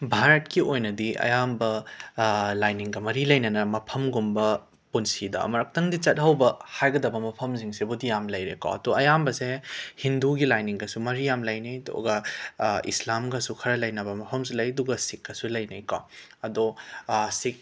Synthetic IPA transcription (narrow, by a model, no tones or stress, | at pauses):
bʱaɾɐtkiojnɐdiɐ̰jambɐ | lajniŋɡɐmɐɾilɐjnɐnɐmɐpʰɐmɡumbɐ | punsidɐ̰ɐ̰mɐɾɐk̚tɐŋdit͡ʃɐt̚ɦɐwbɐhajɡɐdɐbɐmɐpʰɐmziŋsebudijamlɐjɾeko̰ɐ̰doɐjambɐsehinduɡilajniŋɡɐsumɐɾijamlɐjnɐjdo̰ɡɐ | ḭslamɡɐsukʰɐɾɐlɐjnɐbɐmɐpʰɐmsulɐjɐduɡɐsikːɐsulɐjnɐjka̰ɐdosik̚